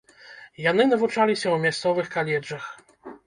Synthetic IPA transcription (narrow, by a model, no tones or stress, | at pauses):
janɘnavut͡ʂalʲiɕɛwmʲjast̪sɔvɘxkalʲɛʐax